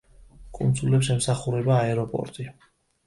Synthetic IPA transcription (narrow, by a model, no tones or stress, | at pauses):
kʼṵnd̪zulɛpsɛmsaχuɾɛbaːɛɾɔpʼɔ̰ɾt̪ʼi